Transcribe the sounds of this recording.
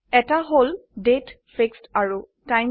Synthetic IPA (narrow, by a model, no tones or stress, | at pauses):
ɛtaɦoldet | fʰekstaɹu | tajm